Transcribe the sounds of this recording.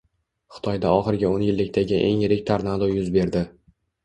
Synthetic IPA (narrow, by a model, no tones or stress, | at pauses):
χɨ̥t̪ʰɒjd̪aɒχɨɾɪɡʲaonjɪlːɪkʲt̪ʰaɡʲɪʔe̞ŋjɪɾɪkʲt̪ʰaɾnad̪ojʊzbe̞ɾd̪ɪ